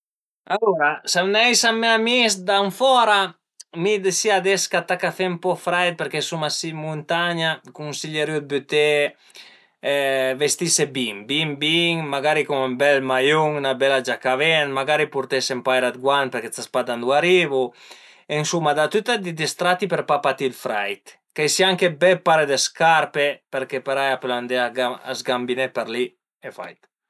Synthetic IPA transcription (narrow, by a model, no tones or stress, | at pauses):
aluɾasawnɛjsameamisd̪aɱfɔɾa | mid̪esiad̪ɛskat̪akafɛmpɔfɾɛjt̪̚peɾkesumasimunt̪aɲakunsiʎeɾjud̪̚byt̪e | vest̪isebiŋbiŋbiŋmaɡaɾikuŋmbɛlmajuŋnabɛlad͡ʒakavɛnmaɡaɾipuɾt̪ɛsempajɾad̪̚ɡwanpeɾket͡s̪aspad̪and̪uaɾivu | ensumːad̪at̪yt̪ad̪id̪ist̪ɾat̪ːipeɾpapat̪ilfɾajt̪ | kajsiaŋkebɛpaɾed̪eskaɾpepeɾkepeɾajapland̪eaaa̰zɡambinɛpeɾli | efa̰jt̪